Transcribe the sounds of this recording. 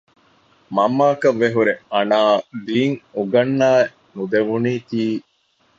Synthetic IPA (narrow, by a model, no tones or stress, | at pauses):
mɐmːaːkɐʋːeɦuɾeɐnaːd̪iːŋuɡɐnːaːe | nud̪eʋuniːt̪iː